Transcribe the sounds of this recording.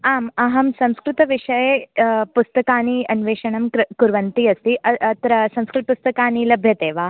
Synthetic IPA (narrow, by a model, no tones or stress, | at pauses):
aːmɐɦɐmsɐ̃w̃skɾɪt̪ɐʋiʂɐjepust̪ɐkaːniɐnʋeːʂɐɳɐmkuɾʋɐnt̪iːɐst̪iːʔɐt̪ɾɐsɐ̃w̃skɾɪt̪̚pust̪ɐkaːniːlɐbʱjɐt̪eːʋaː